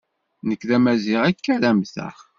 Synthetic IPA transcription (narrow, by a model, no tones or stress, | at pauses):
nəkːðæmæziʁækːæðæmθə̰χ